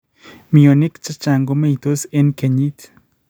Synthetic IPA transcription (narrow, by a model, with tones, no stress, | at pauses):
mi˨o˨ni˦kt͡ʃa˦t͡ʃa˨ŋɡo˦me˦i˨t̪o˦se˦nke˨ɲit̪